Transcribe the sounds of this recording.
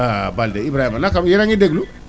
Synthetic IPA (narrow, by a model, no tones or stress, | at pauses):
abaldeibɾahimanakamjiɾãɲideɡulu